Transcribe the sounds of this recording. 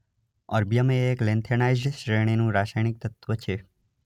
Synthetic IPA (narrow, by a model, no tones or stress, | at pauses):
əɾbijəmeːklẽnt̪ʰənajd͡ʒʃɾeɳ̃inũɾaʃajɳik̚t̪ət̪ʋət͡ʃʰe